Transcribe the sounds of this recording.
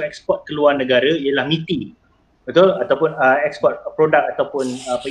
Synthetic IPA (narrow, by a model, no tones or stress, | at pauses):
ɛk̚spɔt̪̚kəluarnə̃ɡaɾaijəlahmĩt̪i | bət̪ʊlat̪awpʊnəɛkspɔt̪̚pɾodak̚at̪awpʊnəpə